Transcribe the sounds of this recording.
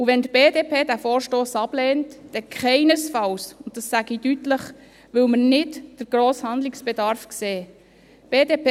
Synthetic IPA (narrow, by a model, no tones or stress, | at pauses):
uʋɛntb̥eːdeːpʰeːdæfoːɾʃtoːsɑb̥lɛːntd̥ɛkʰχɛɪnəsfɑlsʊnt̚d̥ɑsːæɡ̥idytləχ | ʋʏlmənɪtd̥əɾɡɾoːshɑnd̪lɪksb̥ɛdɑɾfkseː | b̥eːdeːpː